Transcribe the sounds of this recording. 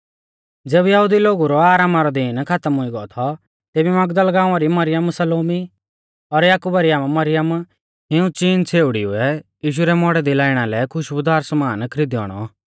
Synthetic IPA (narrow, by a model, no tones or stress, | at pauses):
d͡zeːbjɐɦud̪iloːɡuɾɔaːɾaːmaɾɔd̪iːnkʰat̪əmɦʊiɡɔɔt̪ʰɔ | t̪eːbimɐɡd̪əlɡãːʊ̃aɾimɐɾɪjəmsɐloːmi | ɔɾjaːkubaɾɪaːmmɐɾɪjəm | ɦɪũt͡ʃiːnt͡sʰeːʊɽiʊ̰ɛjiːʃ̬uɾɛmɔɽɛd̪ilaːɪɽ̃alɛkʰʊʃbʊd̪aːɾsmaːnkʰɾɪd̪iɔ̰ːɽ̃ɔ̰